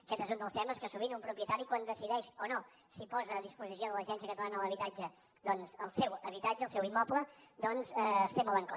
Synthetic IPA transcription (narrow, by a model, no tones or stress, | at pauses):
kɛt̪ezund̪əlˠst̪ɛməskəsuβinumpɾupjət̪aɾikwand̪əsiðɛʃono | sipɔzəːðispuzis̬ioðələʒɛnsiəkət̪əlanəələβit̪ad͡ʒə | d̪ɔnzəlˠsɛwəβit̪ad͡ʒəːlˠsɛwimːɔpləd̪ɔnzəəst̪emɔləŋko